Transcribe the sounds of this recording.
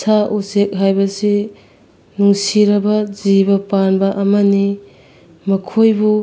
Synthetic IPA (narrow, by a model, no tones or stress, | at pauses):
saʔusek̚ɦajbɐsi | nuŋsiɾɐbɐzibɐpanbɐʔɐmɐni | mɐkʰojbu